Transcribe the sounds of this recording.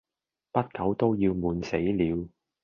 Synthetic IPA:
pɐ˥t̚kɐ˨˥wt̪o˥wjiː˧wmuː˨˧nse˨˥jliː˨˧w

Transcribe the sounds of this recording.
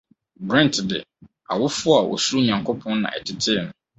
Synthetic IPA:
ɡɾɛ̃˦n˨tʰdɪ̰˨ | a̰˨wʊ˦fʊ˦a˨wʔɔ̰˨su˦ɲã˨ŋkʰʊ˦pʰɔ̃˦nnã̰˨ɛ̰˨tʰɪ˨tʰɪ˦nʊ̃˨

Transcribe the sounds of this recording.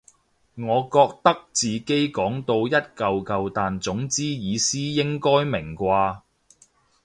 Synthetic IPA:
ŋɔː˨˧kɔː˧k̚t̪ɐ˥k̚t͡siː˨ke˥jkɔː˨˥ŋt̪o˧wjɐ˥t̚kɐ˨wkɐ˨wt̪aː˨nt͡sʊ˨˥ŋt͡siː˥jiː˨˧siː˥jɪ˥ŋkɔː˥jmɪ˨˩ŋkʷaː˧

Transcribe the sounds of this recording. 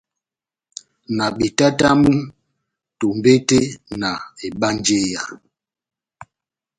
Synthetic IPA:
na˨ɓe˨ta˦ta˦mu˦ | to˨mbe˦te˦na˨e˨ɓa˦n˦d͡ʒe˦ja˨l

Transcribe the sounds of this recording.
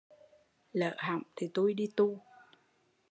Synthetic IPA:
lə̰ː˧˨ɦa̰˧˨wŋ͡mt̪ʰi˨˩t̪u˧jɗi˧t̪u˧

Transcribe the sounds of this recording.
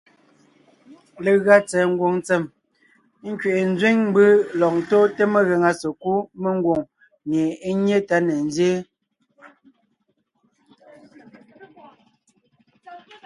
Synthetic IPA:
le˨ɣa˦t͡sɛ˨ŋ̩˦ɡwo˨ŋnt͡sɛ˨m˦ | ŋ̩˦kɥe˨ʔe˨n̩˦d͡zwe˦ŋm˦bɨ˦lɔ˨q̚to˦te˦me˨ɣe˨ŋa˨so˨ku˦me˦ŋ˦ɡwo˨ŋ | ɲe˨e˦ɲe˦ta˦ne˨n˦zjeː˦

